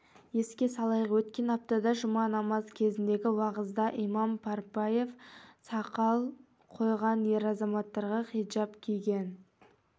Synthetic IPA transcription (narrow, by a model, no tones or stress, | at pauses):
je̞skʲe̞sɑlˠɑjʁwɵt̪kʲe̞nɑp̚t̪ɑd̪ɑʒʊmɑnɑmɑzkʲʰe̞zɪnd̪e̞ɡʲɪwɑʁəzd̪ɑʔijmɑmpʰɑɾpɑje̞fsɑqɑlˠ | qʰo̞jʁɑnje̞ɾɑzɑmɑt̪ːɑɾʁɑqijd͡ʒɑpkʲʰiɡʲe̞n